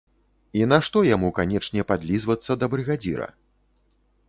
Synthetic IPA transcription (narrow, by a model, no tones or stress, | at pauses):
inaʂt̪ɔjamukanʲɛt͡ʂnʲɛpad̪lʲizvɐt̪sːɐd̪ɐbɾɨɣad͡zʲḭɾɐ̰